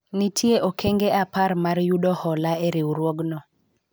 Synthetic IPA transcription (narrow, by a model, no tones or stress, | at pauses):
nitʰjeʔokʰeŋɡeapaɾmaɾjuɗɔhɔlaeɾɪwɾwoɡnɔ